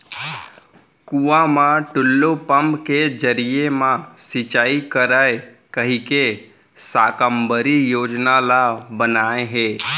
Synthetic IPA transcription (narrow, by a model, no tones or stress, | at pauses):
kuʋãmãʈʊlːopəmbked͡ʒəɾijemãsɪt͡ʃaːikəɾae | kəɦike | sakəmbəɾijoːd͡ʒnalabənaẽɦe